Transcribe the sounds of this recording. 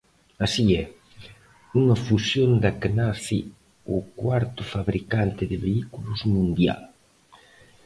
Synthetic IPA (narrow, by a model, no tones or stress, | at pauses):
asiɛ | uŋɐfusjond̪akenaθi | ʊkwaɾt̪ʊfaβɾikant̪ɪðɪβeikulʊzmũnd̪ja̰l